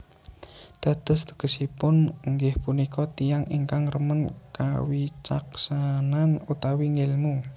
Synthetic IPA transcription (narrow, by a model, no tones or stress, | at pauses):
d̪̥a̤d̪̥ə̤st̪ə̥ɡ̥ə̤sipʊnŋɡɪhpunikɔt̪ijaŋḭŋkaŋrəmənka̰wit͡ʃaksananut̪awiŋelmu